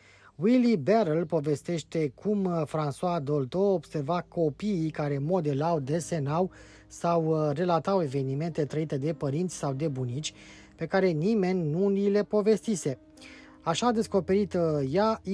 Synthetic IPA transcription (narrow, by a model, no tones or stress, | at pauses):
wilibeɾelpo̞ve̞st̪e̞ʃt̪e̞kʰumfɾanswad̪o̞lt̪oːb̥se̞rvako̞piːkaɾe̞mo̞d̪e̞lawd̪e̞se̞naw | sawre̞lat̪awe̞ve̞nime̞nt̪e̞t̪ɾəit̪e̞d̪e̞pəɾint̪sʲsawd̪e̞bunit̪t͡ʃʲ | pe̞kaɾe̞nime̞nʲnulile̞po̞ve̞st̪ise̞ | aʃad̪e̞sko̞pe̞ɾit̪ja